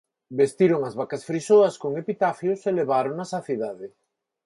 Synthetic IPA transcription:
best̪iɾoŋɐzβakɐsfɾisoɐskoŋepit̪afjoseleβaɾoŋnɐsaθiðaðɪ

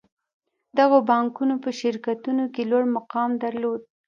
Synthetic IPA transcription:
d̪aɣobɑŋkunopəʃɪɾkat̪unokelwaɽmaqɑmd̪aɾlod̪̚

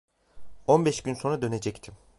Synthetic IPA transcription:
o̞nbɛʃɟynso̞nad̪ø̞ne̞d͡ʒɛct̪ʰim

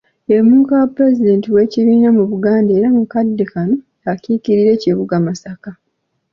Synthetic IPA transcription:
emuːkawapuɾe̞zide̞ːntiwe̞ːciβiːnamuβuɡaːnde̞ːɾamukadːekano̞ | akikiɾiɾe̞ːciβuɡamasaka

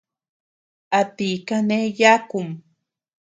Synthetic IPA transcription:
at̪ikanejakʊm

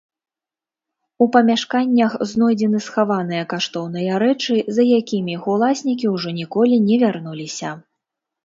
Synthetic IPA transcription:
upɐmʲaʂkanʲːɐxznɔjd͡zʲɛnɨsxavan̪ɨjɐkaʂt̪ɔwn̪ɨjɐɾɛt͡ʂɨzɐjakʲimʲixulˠasʲnʲik̬ʲiwʐɔnʲikɔlʲinʲɛvʲarnulʲisʲɐ

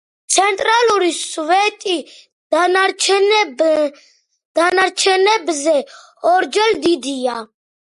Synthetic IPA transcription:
t̪sʰɛnt̪ʼɾaluɾisvɛt̪ʼi | aɾt͡ʃʰ | d̪̥anaɾt͡ʃʰɛnɛbzɛ | ɔɾd͡ʒɛld̪id̪ia

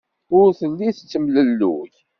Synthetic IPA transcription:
ʊɾθəlːiθt͡sːəmləlːṵç

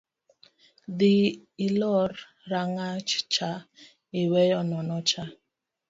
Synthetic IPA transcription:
diːlɔr | ɾaŋat͡ʃt͡ʃa | ɪwɛjɔnɔnɔt͡ʃa

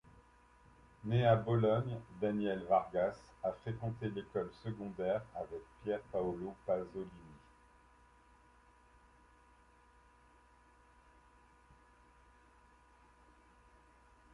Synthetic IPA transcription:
neabɔlɔɲd̪anjɛlvaʁɡasafχekɑ̃t̪elekɔlsəɡɔ̃d̪ɛʁavɛk̚pjɛʁpaɔlopazɔlini

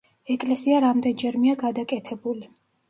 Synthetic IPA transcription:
ɛkʼlɛsiaɾamd̪ɛnd͡ʒɛɾmiaɡad̪akʼɛt̪ʰɛbuli

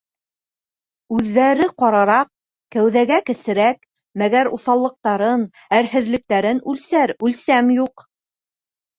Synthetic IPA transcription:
ʉðːæɾɘqɑɾɑɾɑq̚ | kæwðæɡækɘ̆sɘ̆ɾæk | mæɡæɾuθɑlˠːɤ̆q̚t̪ɑɾɤn | æɾhɘ̆ðlɘ̆k̚t̪æɾɘnʉlsæɾʉlsæmjuq

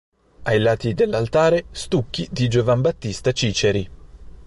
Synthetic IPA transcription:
ajlaːt̪id̪elːalt̪aːɾest̪ukːid̪id͡ʒovambat̪ːist̪at͡ʃiːt͡ʃeɾi

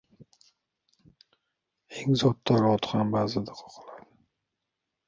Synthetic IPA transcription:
eŋzɒt̪ːaɾɒt̪ʰχambaːzɪd̪aqʰɒ̥qʰɨlˠad̪ɪ

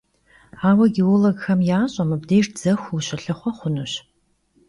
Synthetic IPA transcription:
aːwɐɡioloɡxɐmjaːɕʼɐmɨbdeːrd͡z̥ɐxʷuɕɪɬɨχʷɔχʷʊnɨɕ

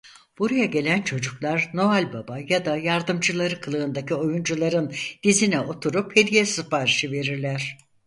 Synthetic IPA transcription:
b̥uɾajaɟe̞lʲænt͡ʃʰo̞d͡ʒuklˠaɾno̞alʲbabajad̪ajaɾd̪ɯmd͡ʒɯlˠaɾɯkʰɯlˠɯɯnd̪acʰio̞jund͡ʒulˠaɾɯnd̪̥izinɛʔo̞t̪ʰuɾuphe̞d̪ijɛsɯfaːɾiʃɯve̞ɾiɾlʲæɾ̥

